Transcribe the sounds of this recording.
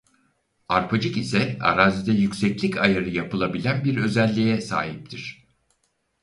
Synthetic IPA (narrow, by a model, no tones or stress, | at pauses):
aɾpʰad͡ʒɯkisɛa̰ɾaːzid̪ɛjycʲsɛclʲicʰajaɾɯjapɯlˠabilʲænbiɾø̞zælʲːijɛsa̰ːɦip̚t̪ʰiɾ̥